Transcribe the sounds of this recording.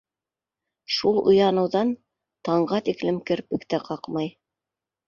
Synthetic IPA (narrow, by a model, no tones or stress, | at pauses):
ʃulˠŏ̰jɑnɤ̆wðɑn | t̪ɑɴɢɑt̪iklɘ̆mkɘ̆ɾpɘ̆kt̪ɘqʰɑqmɑj